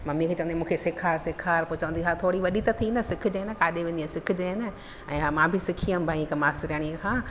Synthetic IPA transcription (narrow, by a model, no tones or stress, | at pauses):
mɐ̃mĩkʰeːt͡ɕɐʋənd̪imũːkʰesɪkʰaːɾsɪkʰaːɾpot͡ɕɐʋə̃nd̪iɦaːt̪ʰoːɽiʋɐɗit̪ɐt̪ʰinɐsɪkʰʊd͡ʑeːɪnɐkaːɗeʋẽːnd̪iasɪkʰʊ̆d͡ʑeɪnɐ | ɛ̃ːɦaːmãːbʱɪsɪkʰijəmbʱaĩkɐmaːst̪ɾaːɽ̃iẽkʰãː